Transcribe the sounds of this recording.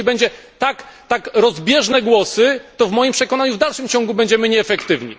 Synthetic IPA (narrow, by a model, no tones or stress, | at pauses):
ibɛɲd͡ʑɛ | t̪akt̪akɾɔzbʲjɛʐnɛɡwɔsɘt̪ɔvmɔjimpʂɛkɔnaɲuvd̪alʂɘmt͡ɕɔ̃ŋɡubɛɲd͡ʑɛmɘɲɛːfɛkt̪ɘvɲḭ